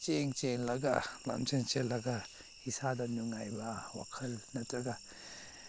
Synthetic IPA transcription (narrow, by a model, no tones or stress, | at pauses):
t͡ʃeŋt͡ʃeŋlɐɡa̰la̰mt͡ʃent͡ʃelːɐɡa | isadɐnuŋajbɐwa̰kʰɐlnɐtɐɡa